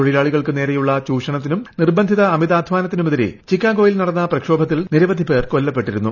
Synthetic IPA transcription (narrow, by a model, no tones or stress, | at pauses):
oɻilaːɭiɣɐɭkɨne̞ːɾɐjuɭːɐt͡ɕuːʂɐɳɐt̪ːinumnirbɐnd̪ʱiðɐːmiðaːd̪ʱʋaːnɐt̪ːinumɐðɐɾḭt͡ɕikːaːɡo̞ːjilnɐɽɐnːɐprɐkʂo̞ːbʱɐt̪ːilniɾɐʋɐd̪ʱipe̞ːrkolːɐpːe̞ʈːiɾunːu